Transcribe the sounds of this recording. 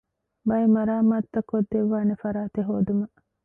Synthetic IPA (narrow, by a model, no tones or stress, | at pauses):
bɐemɐɾaːmaːt̪ːɐkːod̪ːeʋːaːnefɐɾaːt̪eɦoːd̪umɐ